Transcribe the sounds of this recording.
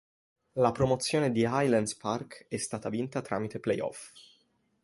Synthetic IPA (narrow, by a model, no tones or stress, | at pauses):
lapɾomot̪sːjoːned̪iajland̪sparkɛst̪aːt̪avint̪at̪ɾa̰ːmit̪eplejɔ̰f